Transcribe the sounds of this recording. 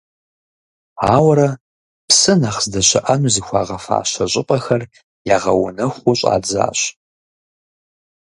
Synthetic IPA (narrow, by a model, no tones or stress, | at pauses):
aːwɾɐ | psɨnaχzdɐɕɐ̰ʔɐnuzixʷɑːʁɐfa̰ːɕɐɕʼɪpʼɐxɐr | jaːʁɐwʊ̰nɐxʷʊɕʼa̰ːd͡za̰ːɕ